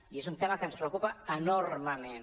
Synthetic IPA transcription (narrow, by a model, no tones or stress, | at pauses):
iezunt̪emakənspɾewkupaənorməmen